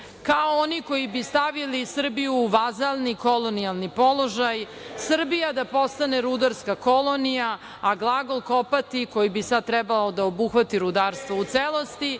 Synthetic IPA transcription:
kaooniko̞jibist̪aʋilisr̩bijuːʋazalˠniko̞lo̞nijalˠnipo̞lˠo̞ʒaj | sr̩bijad̪apo̞st̪aneɾud̪aɾskako̞lˠonijaː | ɡlˠaɡo̞lˠko̞pat̪iko̞jibisad̪̚t̪ɾɛbalod̪aobuxʋat̪iɾud̪aːɾst̪ʋout̪seːlˠo̞st̪i

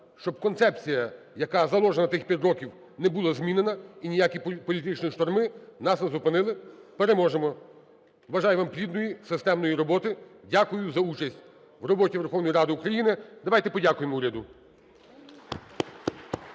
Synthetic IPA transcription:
ʃt͡ʃɔb̥̚kɔnsɛp̚t͡sʲijɐ | jɐkɑzɐlˠɔʒenɐt̪ɪxpʲɐt̪ʲɾɔkʲiw | nɛbulˠɐzmʲinenɐinʲijakʲipɔlʲit̪ɪt͡ʃnʲiiʃt̪ɔrmɪnɑsnɐzʊpɪnɪlˠɪpeɾemɔʒemɔ | ʋɐʒɑjɛʋɑmplʲid̪nɔjisɪst̪ɛmnɔjiɾɔbɔt̪ɪdʲakʊjʊzɐut͡ʃɐsʲtʲ | ʋrɔbɔtʲiʋerxɔwnɔjiɾɑd̪ɪukɾɐjinɪd̪ɐʋajt̪ɛpɔdʲakʊjemuɾʲɐd̪ʊ

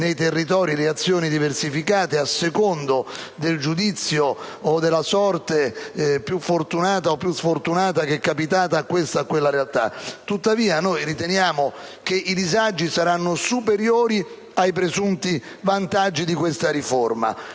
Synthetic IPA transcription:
nejt̪erːit̪ɔːɾileat̪sːjoːnid̪iversifikaːt̪easːekond̪od̪eld͡ʒud̪it̪sːjoːd̪ːelːasɔrt̪epjufːort̪unaːt̪aopːjusfort̪unaːt̪ak̟ɛkːapit̪aːt̪aːkːwest̪aːkːwelːaɾealt̪a̰t̪ːut̪ːaviːanojɾit̪enjaːmok̟eʔid̪izad͡ʒːisaɾanːosupeɾjoːɾi | ajp̬ɾezunt̪i | vant̪ad͡ʒːid̪ikwest̪aɾiforma̰

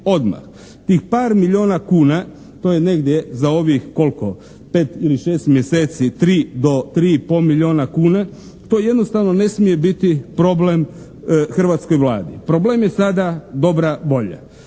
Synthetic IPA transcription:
o̞d̪ma̰x | t̪iːxpaːɾmiʎʲoːnakuːna | t̪o̞ːjene̞ɡd̪ʲje̞zao̞ʋixko̞lko̞ | pe̞ːt̪iliʃe̞ːst̪mjeseːt̪sit̪ɾiːd̪o̞t̪ɾiːipomiʎʲio̞ːnakuːna | t̪o̞je̞d̪no̞st̪aʋno̞ne̞smije̞bit̪ipɾo̞blem | xr̩ʋat̪sko̞jʋlˠa̰ːd̪ḭpɾo̞blemje̞sad̪ad̪o̞bɾaʋo̞ʎa̰

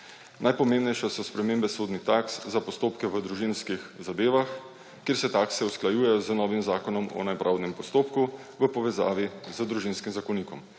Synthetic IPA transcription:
nʔajpɔmẽːmbnɛjʃɛsɔspɾɛmeːmbɛsoːd̪nit̪akszapɔst̪oːpkɛʋəd̪ɾuʒinskixzad̪eːʋax | kːeːɾsɛt̪aːksɛusklajuːjɛjɔzənɔːʋimzaːkɔnɔmɔ̰najpɾʔawd̪nɛmpɔst̪oːpku | ʋəpɔʋɛza̰ːʋizəd̪ɾuʒinskimzakɔnikɔm

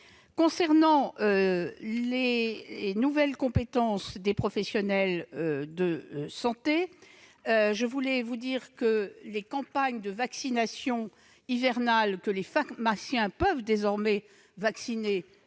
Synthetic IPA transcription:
kɔ̃sɛʁnɑ̃øle | nuvɛlkɔ̃pet̪ɑ̃sd̪epχɔfɛsjɔnɛld̪əsɑ̃t̪e | ʒəvulɛvud̪iʁkəlekɑ̃paɲd̪əvaksinasjɔ̃ | ivɛʁnalkəlefakmasjɛ̃pəvd̪ezɔʁmɛ | vaksine

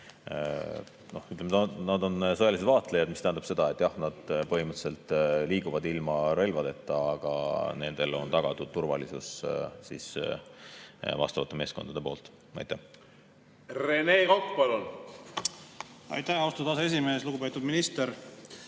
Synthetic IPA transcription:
no̞hyt̪lemet̪nɑd̪o̞nsɤjɑlis̬e̥vɑːt̪lejɑd̪mist̪æhænd̪ɑb̥se̞d̪ɑe̞t̪ːˑjɑhnɑd̪̥pɤɦhimɯt̪se̞lt̪ˑliːɡuvɑd̪ilmɑɾe̞jlʲvɑd̪e̞t̪ːɑɑɡ̥ɑ̰ne̞nd̪̥e̞lo̞̰nt̪ɑɡ̥ɑt̪ud̪t̪urvɑ̰lisṵssis | vɑ̰st̪ɑvɑt̪ːˑe̞me̞ːsko̞nd̪ɑd̪e̞po̞ːlt̪ | ɑ̰jt̪ːæh | ɾeneːkokːpɑlun | ɑ̰jt̪æhɑwst̪ud̪ɑs̬ees̬ime̞ːsluɡupet̪ːˑud̪minist̪eɾ

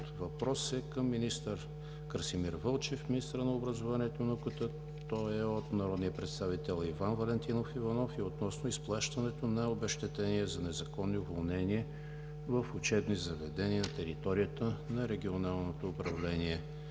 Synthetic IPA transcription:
t̪vɐpɾɔsɛkəmːinist̪əɾ | kəɾsimiɾvɤlˠt͡ʃɛfminist̪əɾənɐobɾəzovaniɛt̪onɐukət̪ə | t̪ɔɛot̪nɐɾɔd̪nijəpɾɛt̪st̪avit̪ɛlˠivanvɐlɛnt̪inofivɐnɔfiot̪nɔsnoisplˠaʃt̪ɐnɛt̪onɐobɛʃt̪ɛt̪ɛniɛzɐnɛzɐkɔnːiʊvolˠnɛniɛ | vəfʊt͡ʃɛbnizɐvɛd̪ɛniənɐt̪ɛɾit̪ɔɾijət̪ənɐɾɛɡʲionalˠnot̪oːpɾɐvlɛniɛ

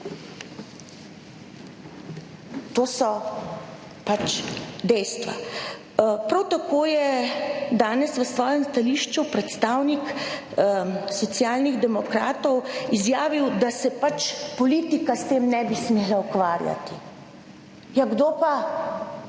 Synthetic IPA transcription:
t̪oːsɔ | pat͡ʃd̪ɛjst̪ʋa̰ | pɾawt̪akoːjɛd̪aːnɛsʋəsʋɔːjɛmst̪aliːʃt͡ʃupɾɛt̪st̪awnik | sɔt̪sjaːlniɣd̪ɛmɔkɾaːt̪ɔwizjaːʋiwd̪asɛpat͡ʃpɔliːt̪ikast̪eːmnɛbismeːlaukʋaːɾja̰t̪i | jaɡd̪oːpa

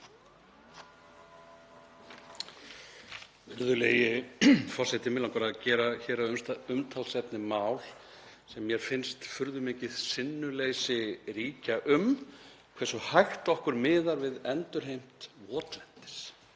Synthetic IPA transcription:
vɪɾðʏleːjɪfɔrsɛht̪ɪmɪlanŋkvaɾaðcɛːɾaçɛːɾaʏmsʏmt̪ʰalsɛpnɪmaːwl̥ | sɛmːjɛɾ̥fɪnst̪fʏɾðʏmɪːcɪð̥sɪnːʏlejsɪriːcaʔʏm | kʰvɛsʏhajxt̪ɔhkʏɾmɪːðaɾvɪðɛnt̪ʏɾ̥ɦejm̥t̪vɔːt̪lɛn̥t̪ɪ̥s

